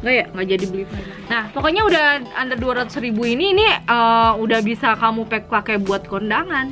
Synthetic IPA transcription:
ŋɡajaʔŋɡaʔd͡ʒadibəlifa | nahpakoɲaudahand̪arduaɾat̪u̥sɾibuiniːniəudahbisakamupɛk̚pakajbuat̪̚kɔndaŋan

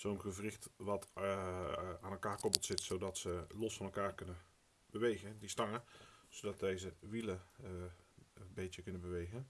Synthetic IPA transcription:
z̥oːnɣəvrɪxtʋɑt | aːnɛlˠkaːrkɔpəl̩ˠtsɪtsowdɑtsəlɔsfɑnɛlˠkaːrkɵnən | b̥əʋejɣədistɑŋəz̥odɑt̚dejzəʋilə | bejtəkɵnənbəʋejɣən

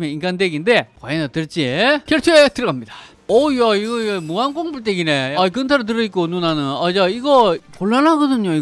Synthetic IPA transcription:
meinɡandeɡinde̞kwaenatɯɭt͡ɕ͈iekjʌɭtʰoetɯɾɡʌmɲidḁ | ʌjaiɡʌmuankoŋbuɭt͈eɡineaikɯntʰaɾɯt̬ɯɾɯik͈onunanɯnad͡ʑaiɡʌkoɭːanɦaɡʌdɯɲoi

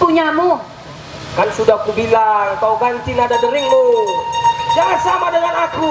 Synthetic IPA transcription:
puɲamu | kansudahkubilaŋt̪aukant͡ʃinadadəɾiŋmu | saŋat̪samadəŋanaku

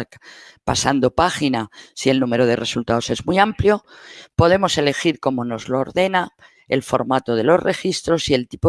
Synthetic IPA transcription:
pa̰sand̪o̞paxinasie̞lnũme̞ɾo̞ð̞e̞re̞sult̪ao̞se̞zmiampljo̞ | po̞ð̞e̞mo̞se̞le̞xiɾko̞mo̞no̞zlo̞ːɾðe̞na | e̞̰lfo̞̰ɾmat̪o̞ð̞e̞lo̞zre̞xist̪ɾo̞sie̞lt̪ipo

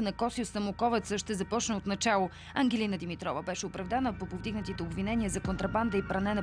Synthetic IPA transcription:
ənɐkɔsiosɐmʊkɔvɛt̪səʃt̪ɛzɐpɔt͡ʃnəot̪nɐt͡ʃalˠo | ɐŋɡʲɛlinəd̪imit̪ɾɔvəbɛʃɛʊpɾɐvd̪anəpopovd̪iɡnət̪it̪ɛobvinɛniəzɐkont̪ɾɐband̪əipɾɐnɛnə

